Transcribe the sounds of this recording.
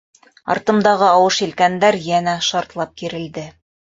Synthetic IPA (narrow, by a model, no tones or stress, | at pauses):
ɑ̰ɾt̪ɤ̆md̪ɑʁɤɑwɤʃilkænd̪æɾjænæʃɑɾt̪lˠɑp̚kiɾɘ̆ld̪ɘ